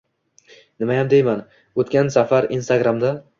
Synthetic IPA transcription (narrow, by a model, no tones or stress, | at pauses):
nɪmajamd̪ejman | ot̪kʲansafaɾinst̪aɡɾamd̪a